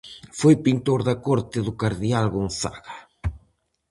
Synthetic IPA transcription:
fojpint̪oɾðɐkɔɾt̪ɪðʊkaɾðialɣonθa̰ɣa

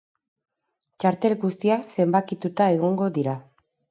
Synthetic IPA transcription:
t͡ʃaɾt̪e̞lɡust̪iase̞mbakit̪ut̪ae̞ɣ̞o̞ŋɡo̞ðiɾa

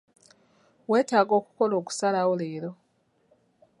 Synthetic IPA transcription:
we̞ːtaːɡo̞ːku̥ko̞lo̞ːku̥salawoleːɾo̞

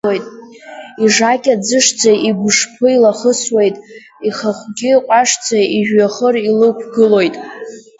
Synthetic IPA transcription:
ojtʼ | iʐakʲʼad͡zɨʂd͡zʰaiɡʷʂpʰɨilaχəswejtʼ | iχaχʷɡʲɪqʷʼaʂt͡sʰaiʒᶣaχərilɨkʷʰɡɨlo̞jtʼ

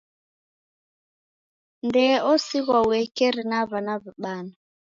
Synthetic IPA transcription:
ndɛɔsiɣawɛkɛɾinaβanaβiɓana

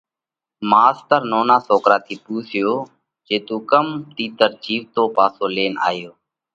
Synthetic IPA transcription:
maːst̪əɾnoːnaːsoːkɾaːt̪ʰiːpuːsɪjoː | d͡ʒeːt̪ũːkəmt̪iːt̪əɾt͡ʃiːʋt̪oːpaːsoːleːna̰ːjoː

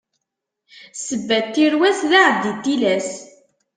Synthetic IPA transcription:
səbːæt̪ːiɾwæsðaʕəvd̪it̪ːilæs

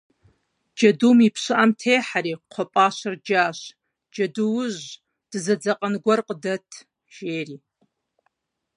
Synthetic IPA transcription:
d͡ʒadumipʰʂʷɨʔamtʰejħaɾiqʷʰapʼaʃʷɨrd͡ʒaʃʷ | d͡ʒaduwʒʷ | d̥zad͡zaqʼanɡʷarqʼdatʰ | ʒ̥eːri

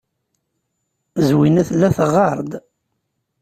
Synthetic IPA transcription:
zwinæθlːæθəʁːɑɾˤd̪

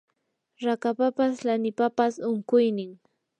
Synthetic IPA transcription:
ɾakapapaslanɪpapasʊŋkʊjnɪŋ

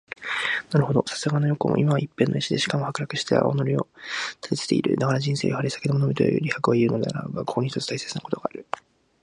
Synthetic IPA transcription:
naɾɯɦo̞d̪o̞sḁsɨɡanojo̞kɯ̰mo̰ʔimaβaʔipːẽ̞nːʔoiɕid̪eɕi̥kamo̞hakɯ̟ɾakɯ̟ɕi̥t̪ḛa̰o̰noɾʲio̞̰t̪ʰḁt̪et̪e̥t̪e̞̰ḭɾɯ̟̰d̪akaɾaʑĩse̞ːjoɦaɾisḁked̪omonomʲit̪o̰ɯ̰ɾʲihakɯ̟βaiɯ̟no̞d̪ea̰ɾa̰bbakokoɲiçit̪o̞t͡sɨ̥t̪aise̞t͡sɨnako̞t̪o̞ɡaːɾɯ̟

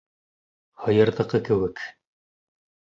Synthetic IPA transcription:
hɤ̆jɤ̆ɾðɤ̆qɤkɘ̆wɘk

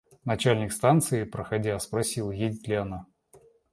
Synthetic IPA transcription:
nɐt͡ɕælʲnʲɪkst̪ant̪sɨɪpɾəxɐdʲaspɾɐsʲilˠjedʲɪtʲlʲɪɐna

